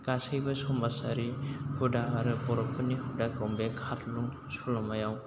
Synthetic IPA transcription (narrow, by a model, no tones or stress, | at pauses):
ɡ̥asɯjbasɔmbasaɾihudaaɾɯpɔɾɔpʰɯnihudakawmbekʰaɾluŋ | sulɔmajaw